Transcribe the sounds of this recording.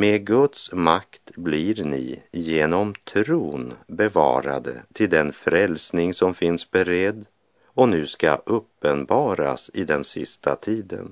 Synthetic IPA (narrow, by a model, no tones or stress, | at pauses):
meːɡɵt̪smakt̪blɪɾnɪ̰jeːnɔmt̪ʰɾuːnbɛvɑ̰ːɾa̰d̪ə̰t̪ʰɪld̪ɛnfɾɛlsnɪŋsɔmfɪnsbɛɾɛd̪ː | ɔnʉ̟ːska̰ʔɵpːənbɑːɾa̰sɪd̪ɛnsɪst̪ʰat̪ʰiːd̪ə̰n